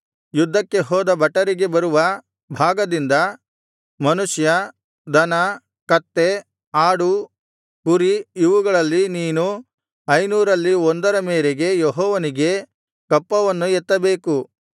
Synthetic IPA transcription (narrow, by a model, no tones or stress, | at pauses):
jud̪ʱːɐkːe̞ɦɔːd̪ɐbɐʈːɐɾiɡe̞bɐɾuʋɐ | bʱaːɡɐd̪ind̪ɐ | mɐnuʃjɐ | d̪ɐnɐ | kɐt̪ːe | aːɽu | kuɾiiʋuɡɐɭɐlːiniːnu | ɐjnuːɾɐlːiond̪ɐɾɐmeːɾeɡe̞jɔɦɔːʋɐniɡe̞ | kɐpːɐʋɐnːuɛt̪ːɐbe̞ːku